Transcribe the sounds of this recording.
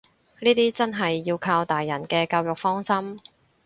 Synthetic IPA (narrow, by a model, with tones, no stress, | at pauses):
niː˥t̪iː˥t͡sɐ˥nɦɐ˨jːiː˧wkʰaː˧wt̪aː˨jːɐ˨˩nkɛː˧kaː˧wjʊ˨k̚fɔː˥ŋsɐ˥m